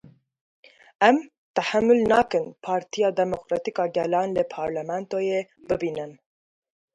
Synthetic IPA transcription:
ɛm | t̪æħæmːʊlnɑːkɨnpʰɑːɾt̪ʰijɑːd̪ɛmokɾɑːt̪ikɑːɡɛlɑːnlɨpʰɑːɾlɛmɛnt̪oːje | bɨbiːnɨn

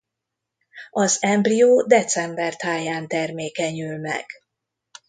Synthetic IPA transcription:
ɒzɛmbrijoːd̪ɛt̪sɛmbɛrt̪ʰaːjaːnt̪ɛrmeːkɛɲylmɛ̰ɡ̥

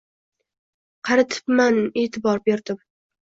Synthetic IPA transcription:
qʰɑɾat̪ʰɪ̥pmaneːt̪ʰɪbɒɾbeɾd̪ɪm

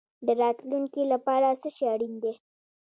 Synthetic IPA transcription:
d̪əɾɑt̪luŋkilapɑɾasəʃeaɽind̪e

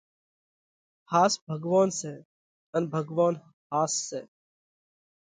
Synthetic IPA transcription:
haːsbʱəɡʋaːnsɛː | ənbʱəɡʋaːn | haːsːeː

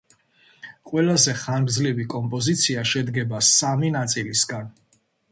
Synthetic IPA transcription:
qʼwɛlazɛχanɡdzlivikʼɔmpʼɔzit̪sʰiaʃɛd̪ɡɛbasaminat̪sʼilisɡan

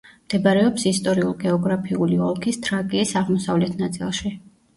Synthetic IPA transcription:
md̪̥ɛbaɾɛɔpsist̪ʼɔɾiulˠɡɛɔɡɾapʰiuliɔlˠkʰist̪ʰʼɾaɡʼiːsaʁmɔsavlɛt̪ʰnat̪sʼḭlˠʃi

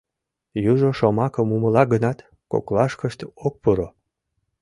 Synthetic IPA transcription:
juʒoʃomɑkəmuməlɑɡənɑt̪ | ko̰klɑʃkəʃt̪ok̚puɾo

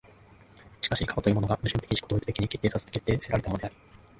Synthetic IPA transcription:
ɕi̥kaɕikʰabat̪o̞jiːmo̞noamɯ̟ʑɨ̃nt̪ekiɕi̥kod̪oit͡sɨ̥t̪ekiɲ̟iket̪ːeːsaske̞t̪ːe̞ːseɾaɾe̞t̪amoode̞aɾi̥

